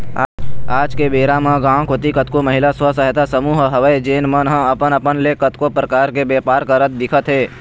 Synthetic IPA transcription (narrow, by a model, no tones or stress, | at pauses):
aaːd͡ʒkebeːɾamãɡãːkot̪ikət̪koməɦɪlaswəsəɦet̪asəmuːɦɦəʋəjd͡ʒeːnmənɦə̃ɐpənəpənlekət̪kopɾəkaːɾkebeːpaːɾkəɾət̪̚d̪ɪkʰət̪ɦeː